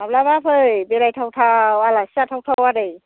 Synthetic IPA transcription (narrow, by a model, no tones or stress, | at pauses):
ablabapʰɯjbeɾajtʰawtʰawalasiatʰawtʰawadɯj